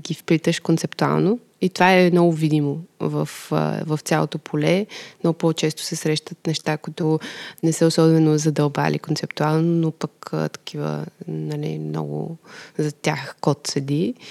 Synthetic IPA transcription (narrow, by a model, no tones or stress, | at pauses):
ɡʲifpɾit̪əʃkont̪sɛpt̪ua̰lˠno | it̪ovaɛnɔɡʊvid̪imovə̰fvəft̪sʲjalˠo̰t̪opʰolɛnɔpɔt͡ʃɛst̪ʊ̥sɛsɾɛʃt̪ət̪nɛʃt̪akʊit̪ʊnɛsɛosɔbɛnozɐd̪ɐlˠba̰lḭkont̪sɛpt̪ualˠnonopəkə̰t̪ɐ̥kʰivə̰nɐlḭmnɔ̰ɡʊ̰zɐt̪ʲjaxkɔt̪səd̪i